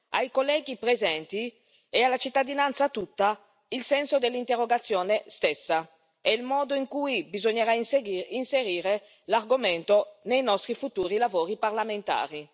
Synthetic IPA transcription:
a̰jkolːɛːɡipɾezɛnt̪i | ealat͡ʃit̪ːad̪inant̪sat̪ut̪ːa | ilsɛnsod̪elːint̪erːoɡat̪sːjoːnest̪ɛsːa | ɛilmɔːd̪oiŋkuːjbizoɲːeɾaisinseɾiːɾe | larɡomɛnt̪onejnɔst̪ɾifut̪uːɾilavoːɾiparlament̪a̰ːɾi

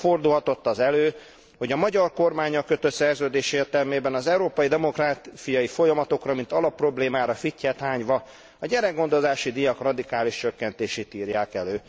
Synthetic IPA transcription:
fo̞rd̪ulɦɒt̪o̞t̪ːɒzɛløː | ho̞ɟɒmɒɟɒrko̞rmaːɲɒkːø̞t̪ø̞t̪sɛrzøːd̪eːʃeːrt̪ɛlmeːbɛnɒzɛuɾoːpɒjid̪ɛmo̞kraːsijɒjifo̞jɒmɒt̪o̞krɒmint̪ɒlɒpːro̞bleːmaːɾɒficːɛt̪haːɲʋɒ | ɒɟɛɾɛɡːo̞nd̪o̞zaːʃid̪ijɒkrɒd̪ikaːliʃt͡ʃø̞kːɛnt̪eːʃeːt̪iːrjaːkɛløː

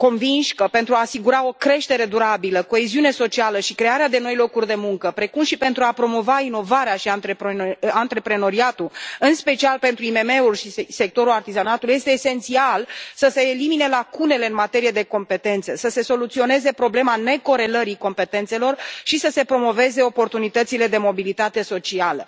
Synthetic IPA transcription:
ko̞nvinʃʲkəpe̞nt̪ɾuaːsiɡuɾao̞kɾe̞ʃt̪e̞ɾe̞d̪uɾabiləko̞eziune̞so̞t͡ʃialəʃikɾe̞aɾead̪e̞no̞jlo̞kurʲd̪e̞muŋkəpɾe̞kumʃipe̞nt̪ɾuapɾo̞mo̞vaino̞vaɾeaʃiant̪ɾepant̪ɾe̞pɾe̞no̞ɾiat̪uɨnspe̞t͡ʃialpe̞nt̪ɾuime̞meulʃise̞k̚t̪o̞ɾulart̪izanat̪ulje̞st̪eːse̞nt̪sialsəse̞ːlimine̞lakune̞le̞ɨnmat̪e̞ɾije̞d̪e̞ko̞mpe̞t̪e̞nt̪səsəse̞so̞lut̪sio̞ne̞ze̞pɾo̞ble̞mane̞ko̞ɾe̞ləɾiko̞mpe̞t̪e̞nt̪se̞lo̞rʃisəse̞pɾo̞mo̞ve̞ze̞o̞po̞rt̪unit̪ət̪sile̞d̪e̞mo̞bilit̪at̪e̞so̞t͡ʃialə̰

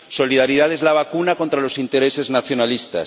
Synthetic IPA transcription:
so̞liðaɾið̞aðezlaβ̞akunako̞nt̪ɾalo̞sint̪eɾese̞znaθjo̞nalist̪a̰

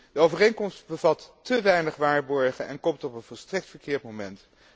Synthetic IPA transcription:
d̥əowvərejnkɔmstbəvɑtː | əʋɛjnəχʋaːɹbɔɹχəʔɛ̰nkɔmtɔpənvɔlˠstrɛk̚tfəɹkɪːɹtmomɛnt

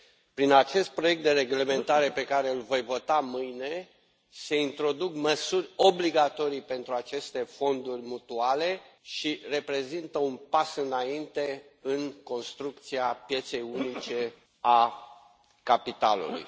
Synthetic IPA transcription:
pɾinat͡ʃe̞st̪̚pɾoje̞k̚t̪d̪e̞ɾe̞ɡle̞me̞nt̪aɾe̞pe̞kaɾeɨlvo̞jvo̞t̪amɨjne̞ | se̞int̪ɾo̞d̪ukməsurʲo̞bliɡat̪o̞ɾijpe̞nt̪ɾuat͡ʃe̞st̪e̞fo̞nd̪urʲmut̪uale̞ʃire̞pɾe̞zint̪əunpasɨnaint̪e̞ɨnko̞nst̪ɾuk̚t̪siapje̞t̪se̞junit͡ʃe̞ | a | kapit̪alṵlṵj

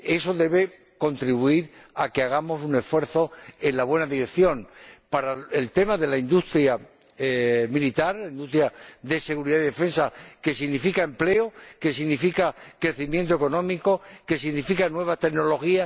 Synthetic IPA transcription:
e̞so̞ðe̞β̞e̞ | ko̞nt̪ɾiβuiɾakeaɣ̞amo̞sune̞sfwe̞ɾθo̞e̞nlaβwe̞naðiɾe̞kθjõ̞npaɾaelt̪e̞maðe̞laind̪ust̪ɾja | milit̪aɾlaind̪ust̪ɾjaðe̞se̞ɣuɾiðaiðe̞fe̞nsake̞siɣnifikaemple̞oke̞s̬iɣnifikakɾe̞θimjẽnt̪o̞e̞ko̞nõ̞miko̞ke̞siɣnifikanwe̞β̞ast̪eɣno̞lo̞xia

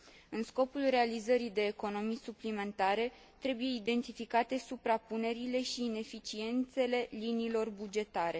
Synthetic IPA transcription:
ɨnsko̞pulre̞alizəɾid̪e̞ːko̞no̞misuplime̞nt̪aɾe̞ | t̪ɾe̞buje̞id̪e̞nt̪ifikat̪e̞supɾapune̞ɾile̞ʃiːne̞fit͡ʃie̞nt̪se̞le̞linilo̞rbud͡ʒe̞t̪aɾe̞

